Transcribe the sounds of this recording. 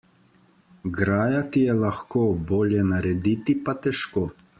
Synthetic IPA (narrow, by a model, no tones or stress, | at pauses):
ɡɾaːjat̪ijɛlaxkoːboːljɛnaɾɛd̪iːt̪ipat̪ɛʃkoː